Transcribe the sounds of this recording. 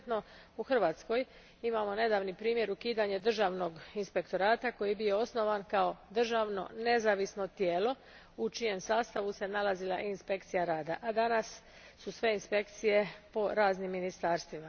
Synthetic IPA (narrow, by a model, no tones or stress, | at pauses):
t̪no̞ | uxr̩ʋaːt̪sko̞j | imamo̞ne̞d̪aːʋnipɾiːmje̞ɾukiːd̪aɲed̪r̩ʒaːʋno̞ɡinspe̞kt̪o̞ɾaːt̪ako̞jibio̞o̞sno̞ʋankao̞d̪r̩ʒaːʋno̞̰ne̞zaːʋisno̞t̪jeːlo̞ | ut͡ʃije̞msaːst̪aʋuse̞nalazilˠaʔinspe̞kt̪sijaɾaːd̪a̰ʔad̪anasː | usʋe̞inspe̞kt̪sije̞po̞ɾaːznimːinist̪aːɾst̪ʋima